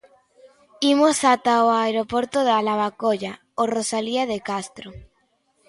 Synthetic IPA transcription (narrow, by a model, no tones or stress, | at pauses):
imosat̪aoaeɾopoɾt̪oðalaβakoʝa | orosaliaðekast̪ɾo